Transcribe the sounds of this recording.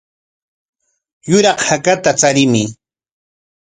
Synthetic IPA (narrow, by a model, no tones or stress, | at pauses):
jʊɾɑχhakat̪at͡saɾɪmɪ